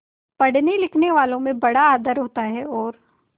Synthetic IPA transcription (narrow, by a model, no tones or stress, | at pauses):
pɐɽ̤nilɪkʰneʋaːlõmẽbɐɽaːd̪əɾɦoːt̪aɦɛɔːɾ